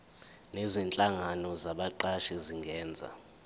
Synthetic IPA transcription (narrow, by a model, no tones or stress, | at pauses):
nezint͡ɬʼaŋanɔzaɓaǃaʃiziŋɡʱɛːnd͡zʱa̰